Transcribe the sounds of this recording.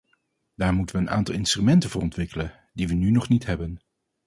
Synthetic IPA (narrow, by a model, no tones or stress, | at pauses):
d̥aːɹmutəʋəːna̰ːntɑlˠɪnstrymɛntəvʊːrɔntʋɪkələ | diʋənynɔχnitɦɛbən